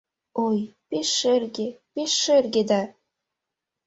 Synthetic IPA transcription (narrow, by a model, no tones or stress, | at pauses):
ojpeʃːerɣepeʃːerɣed̪ɑ